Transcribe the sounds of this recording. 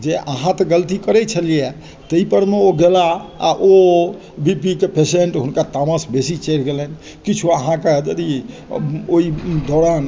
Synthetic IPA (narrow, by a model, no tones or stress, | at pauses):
d͡ʒeʔəɦãt̪ɔɡəlt̪ikəɾɛt͡ʃʰəlije | t̪əipəɾmeoɡelaa̰ʔo | bipikepeseɳʈɦunkat̪aməsbesit͡ʃəjɾɡelɛn | kit͡ʃʰuəɦãked͡ʒəd̪i | oid̪ɔɾan